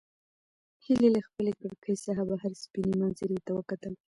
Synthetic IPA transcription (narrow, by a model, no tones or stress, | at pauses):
hilelaxpəlekəɽkʰəjsaɦabaɦaɾspinemanzəɾit̪awəkat̪əl